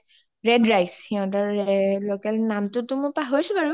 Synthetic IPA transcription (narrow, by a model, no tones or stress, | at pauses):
ɹɛdɹajshɛɔ̃taɹɛlokɛlnamtʊtʊmʊpaɦojsʊpaɹu